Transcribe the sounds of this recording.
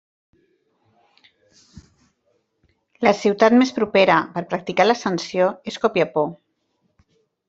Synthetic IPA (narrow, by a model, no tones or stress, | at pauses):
ləsiwt̪at̪mespɾupeɾəpəɾpɾək̚t̪ikaləsənsioeskɔpjəpo